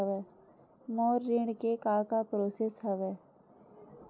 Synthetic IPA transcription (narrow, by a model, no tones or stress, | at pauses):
ɛʋɛː | moːɾːɪɳɖkekãkapɾoːsesɦɛʋɛː